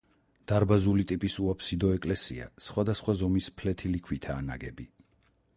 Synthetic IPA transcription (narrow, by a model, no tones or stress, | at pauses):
d̪̥aɾbazulit̪ʼipʼisuapsid̪ɔɛkʼlɛsḭa̰sχwad̪asχwazɔmispʰlɛt̪ʰilikʰwit̪ʰaːna̰ɡɛbi